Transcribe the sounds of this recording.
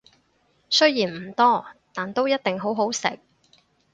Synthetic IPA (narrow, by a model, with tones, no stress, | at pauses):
sɵ˥jjiː˨˩nm̩˨˩t̪ɔː˥˩t̪aː˨nt̪o˥wjɐ˥t̚t̪ɪ˨ŋɦo˨˥wɦo˨˥wsɪ̰˨k̚